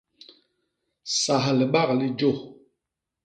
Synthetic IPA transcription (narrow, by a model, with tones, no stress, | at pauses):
sa˨ɦli˨ɓa˦ɣli˦d͡ʒo˦˨